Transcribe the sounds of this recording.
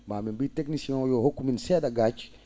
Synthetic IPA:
maːminbiːteknisiɛ̃jɔhokːuminsɛːdaɡat͡ʃ

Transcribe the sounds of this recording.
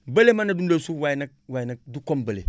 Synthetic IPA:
bəlemanadundosuwajnak̚wanak̚dukombəlḛ

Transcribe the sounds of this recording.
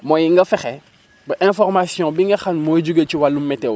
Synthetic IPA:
mojiŋɡɐfɛxɛ | bɐʔɛ̃fɔrmasiɔ̃biŋɡɐxanmod͡ʒuɡet͡ʃiwalːumːɛte

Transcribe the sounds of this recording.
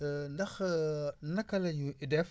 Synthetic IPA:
ndɐx | nɐkɐlɐjuidɛf

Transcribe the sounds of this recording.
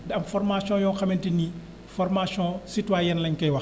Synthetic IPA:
dɐmfɔrmasjɔ̃ːjɔ̃xɐmɛntini | fɔrmasjɔ̃sitwajɛnlɐɲkɐjwɐx

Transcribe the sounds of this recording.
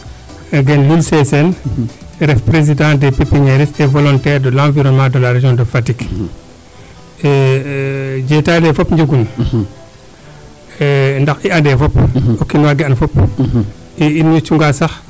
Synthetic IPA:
ɡɛnlulsɛsɛn | ɾɛfpɾez̬idãːndɛpipːiɲɛɾisɛvɔlɔntɛːɾdɔlãviɾɔnmadɔlaɾad͡ʒɔndɔfatik | d͡ʒɛtalɛfɔpɲd͡ʒuɡun | ndaxiandɛfɔpɔkːinwaɡɛanfɔp | iinjut͡ʃuŋɡasax

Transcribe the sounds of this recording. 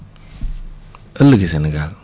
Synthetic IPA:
ələɡisɛniɡal

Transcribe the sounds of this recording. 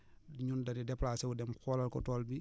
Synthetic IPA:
ɲundɐnidɛplasɛwudɛmxɔːlɐlkɔ̰tɔːlbi

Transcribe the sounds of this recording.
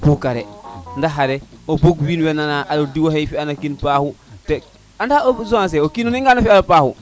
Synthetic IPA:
pukaɾendaɦaɾeoboɡwiːnwenanaʔalodiwohejfianakinpaːhute | andaozoas̬eokinuniŋɡanofiaɾopahu

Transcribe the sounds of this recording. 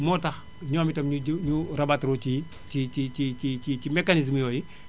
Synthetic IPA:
mɔtɐx | ɲɔːmitɐmɲuɲurɐbatɾoci | t͡ʃit͡ʃicit͡ʃit͡ʃicimɛkanis̬mjɔːji

